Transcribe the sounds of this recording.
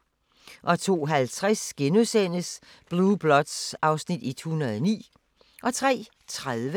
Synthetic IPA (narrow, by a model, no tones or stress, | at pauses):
ʔɒ̽t͡sʰo̝̰ːɦælt͡sʰʁasɡ̥enusen̰əs | b̥lub̥lɒd̥sɑ̈ʊsnid̥it͡sʰːhunɐð̞ˠɒnḭː | ʔɒ̽t͡sʰʁɛ̰ː | t͡sʰʁaðˠʋə